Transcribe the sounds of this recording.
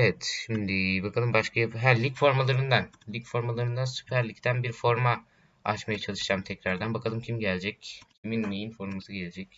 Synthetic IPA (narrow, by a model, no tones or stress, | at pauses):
evɛt̪ʃimd̪ɪbakʰalˠɯmbaʃkʰajaɦælʲicfo̞ɾmalˠaɾɯnd̪an | lʲicfo̞ɾmalˠaɾɯnd̪ansy̥pʰæɾlʲict̪ʰænbiɾfo̞ɾma | a̰t͡ʃmajat͡ʃʰalˠɯʃd͡ʒamt̪ʰɛcɾaɾd̪ænbakʰalˠɯmcʰimɟælʲd͡ʒɛccʰiminːejinfo̞ɾmasɯɟe̞lʲed͡ʒɛc